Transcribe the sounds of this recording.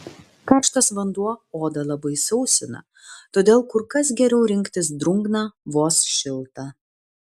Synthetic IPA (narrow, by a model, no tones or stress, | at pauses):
kɐɾʃt̪ɐsʋɐnd̪uɔoːd̪ɐlˠɐbɐɪsɒʊsʲɪnɐ̰ | t̪oːd̪ʲeːlˠkʊɾkɐs̬ɡʲɛɾʲɛʊɾʲɪŋʲkt̪ʲɪsd̪ɾʊŋɡnɑːʋoːsʃʲɪlˠt̪ɑ